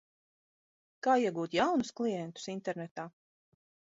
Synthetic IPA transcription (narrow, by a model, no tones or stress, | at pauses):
kaːiɛɡuːt̪jawnusklˠijɛnt̪u̥sint̪ɛɾnɛt̪aː